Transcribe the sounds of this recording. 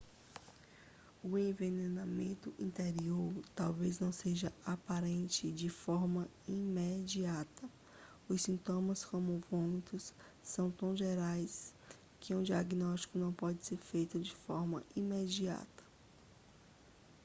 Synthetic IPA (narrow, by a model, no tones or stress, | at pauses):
ʊẽvenenamẽnt̪ʊʔĩnt̪eɾioɾt̪awveznɐ̃w̃seʒɐapaɾẽnt͡ʃɪd͡ʒɪfɔɾmɐ | imed͡ʒiat̪ɐ | ʊsĩnt̪õmɐskõmʊvõmit̪ʊsː | ɐ̃w̃t̪ɐ̃w̃ʒeɾajs | kʰɪũd͡ʒiaɡnɔst͡ʃi̥kʊnɐ̃w̃pɔd͡ʒɪseɾfejt̪ʊd͡ʒɪfɔɾmɐ̰imed͡ʒia̰t̪ɐ̥